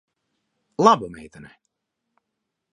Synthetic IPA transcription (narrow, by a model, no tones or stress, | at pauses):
labəmḛːtənɛ